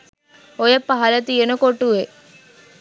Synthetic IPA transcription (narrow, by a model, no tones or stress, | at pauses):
ojəpːaɦɐlət̪ijenəkoʈuʋe